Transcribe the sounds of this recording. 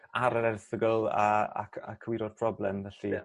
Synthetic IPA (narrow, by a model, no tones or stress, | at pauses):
aɾəɾɛrθəɡəlˠəa̰kʰa̰kʰəwiɾɔdpʰr̥ɔblɛmvɛɬi